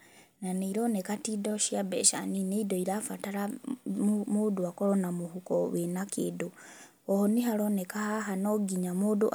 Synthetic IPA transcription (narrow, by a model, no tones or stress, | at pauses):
naniiɾonekatidoʃjabḛʃa̰nineidoiɾafataɾa | muduakolonamuhukoβenakʰedu | ohoniɦalonekahaɦanoɡiɲamuduʔ